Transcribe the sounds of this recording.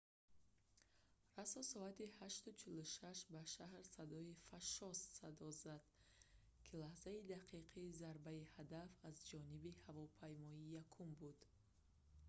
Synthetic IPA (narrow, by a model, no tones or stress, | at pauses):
rasɔsɔat̪ihaʃt̪ut͡ʃʰiluʃaʃbaʃahɾsad̪ɔifaʃɔssad̪ɔzad̪̥ | kʰilahzaid̪aqʰiqʰiːzaɾbaihad̪afazd͡ʒɔnibihavɔpʰajmɔijakʰumbud̪̥